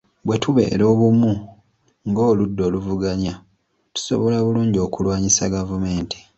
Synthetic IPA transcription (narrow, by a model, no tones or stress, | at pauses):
βwe̞tʰuβe̞̰ːɾo̞ːβumu | ŋɡo̞ːludːo̞ːluvuɡaɲa | tu̥so̞̰βo̞laβuluːɲɟo̞ːkulwaːɲisaɡavume̞ːnti̥